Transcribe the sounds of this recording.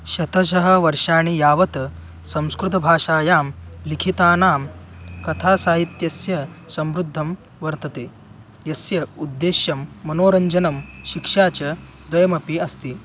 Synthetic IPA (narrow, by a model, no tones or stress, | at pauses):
ɕɐt̪ɐɕɐɦɐ̆ʋɐɾʂaːɽ̃ijaːʋɐt̪ɐ | sɐ̃w̃skɾut̪ɐbʱaːʂaːjaːmlikʰit̪aːnaːm | kɐt̪ʰasaːɦit̪jɐsjɐsɐmɾud̪ʱːɐm | ʋɐɾt̪ɐt̪eː | jɐsjɐud̪ːeːɕjɐmːɐnoːɾɐɲd͡ʑɐnɐmɕikʂat͡ɕɐ | d̪ʋɐjɐmɐpiɐst̪iː